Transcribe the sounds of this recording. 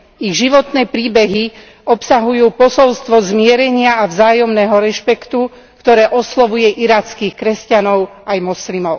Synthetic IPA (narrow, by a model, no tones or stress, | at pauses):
iɣʒiʋɔt̪nɛːpɾiːbɛɦi | ɔpsaɦujuːpɔsɔlst̪ʋɔzmɪɛɾɛɲɪaːvzaːjɔmnɛːɦɔɾɛʃpɛkt̪u | kt̪ɔɾɛːʔɔslɔʋujɛʔiɾaːt͡skiːxkɾɛscanɔʊajmɔslimɔʊ